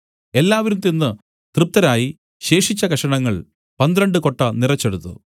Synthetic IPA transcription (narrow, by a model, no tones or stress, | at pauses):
e̞lːaːʋɐɾumt̪enːɨ | t̪rɨp̚t̪ːɐɾaːji | ɕe̞ːʂit͡ɕːɐkɐʂɐɳɐŋːɐɭ | pɐnd̪ɾɐɳɖɨko̞ʈːɐnirɐt͡ɕːeɽut̪ːṵ